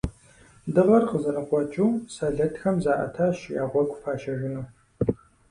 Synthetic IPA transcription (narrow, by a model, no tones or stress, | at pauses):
dɨʁɐrqəzɐɾɐχʷɔt͡ʃʼuwsaːɮɐtʰxɐmzaːʔɐ̰tʰaːʃja̰ːʁʷɔɡʷʼfaːʃɐʒɪnuː